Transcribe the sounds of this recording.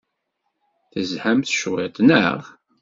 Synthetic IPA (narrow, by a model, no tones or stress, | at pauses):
θəzħəmθʃwɪt̪ˤnə̰ʁ